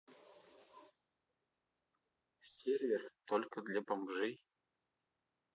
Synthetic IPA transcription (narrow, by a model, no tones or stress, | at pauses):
sʲerʲvʲert̪olʲkəd̪lʲapamʐɨj